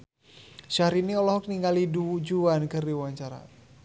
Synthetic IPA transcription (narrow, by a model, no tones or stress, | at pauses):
ʃaɾiniɔlɔɦɔk̚niŋɡalidud͡ʒuankɨrdiwaɲt͡ʃaɾa̰